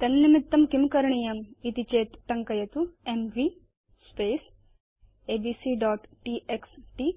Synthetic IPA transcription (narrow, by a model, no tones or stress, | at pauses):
t̪ɐnnimit̪ːɐmkimkɐɾɐɳijɐmit̪it͡ʃeːt̪ʈɐŋkɐjɐt̪uemʋiː | speːs | eːbiːsiːɖɔːʈʈiːʔeksʈi